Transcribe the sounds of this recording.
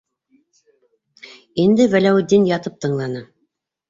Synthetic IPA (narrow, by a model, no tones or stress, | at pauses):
ind̪ɘwælæwɘ̆d̪ːinjɑt̪ɤp̚t̪ɤ̆ɴlˠɑnɤ